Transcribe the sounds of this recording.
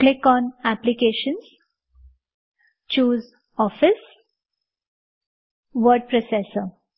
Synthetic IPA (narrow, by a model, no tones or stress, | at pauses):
klɪkɔ̃ːnæplikeʃə̃nz | t͡ʃuːz | ɔfɪs | ʋəɾɖ̚pɾosesəɾ